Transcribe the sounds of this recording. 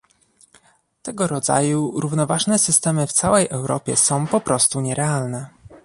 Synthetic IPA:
t̪ɛɡɔɾɔd̪za̰juɾuvnɔvaʐnɛsɘst̪ɛmɘft̪sawɛjʔɛwɾɔ̰pʲjɛ̰sɔ̃w̃pɔpɾɔst̪uɲɛɾɛalnɛ

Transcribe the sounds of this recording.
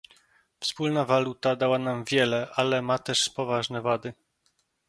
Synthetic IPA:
fspulnavalut̪ad̪awanamvʲjɛlɛʔalɛmat̪ɛʂpɔvaʐnɛvad̪ɘ

